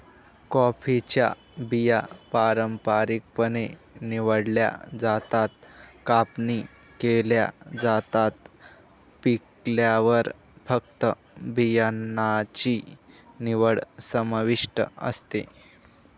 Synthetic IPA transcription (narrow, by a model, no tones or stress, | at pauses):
kɔfit͡ɕja̰ | bijapaɾəmpaɾik̚pəneniʋəɽlja̰d͡zat̪at̪̚kapni | kelja̰d͡zat̪at̪̚ | pikljaʋəɾ | fək̚t̪ə | bijanat͡ɕiniʋəɽsəmʋiʂʈə̰ə̰st̪e